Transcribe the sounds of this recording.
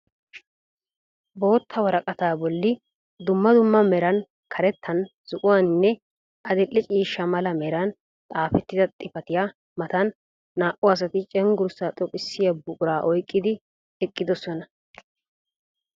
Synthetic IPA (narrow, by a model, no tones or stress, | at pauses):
bo̞ːt̪ʰːɐwɐɾɐkʼɐt̪aːbɔlːɪ | d̪ʊmːɐd̪ʊmːɐmɛɾɐn | kʰɐɾɛt̪ʰːɐn | z̥ʊʔʼʊwannːɛ | ʔɐd̪ɛʔːɛt͡ʃʼiːʃːɐmɐlɐmɛɾɐn | t̪ʼaːfɛt̪ːɪd̪ɐt̪ʼɪfɐt̪ɪja | mɐt̪ɐnː | aːʔʊɐs̬ɐt̪ɪt͡ʃʼɛŋɡʊɾʊsat̪ʼɔkʼɪsːɪjɐbʊkʼʊɾaːʔɔjkʼːɪd̪ɪ | ɛkʼːɪd̪ɔsɔnɐ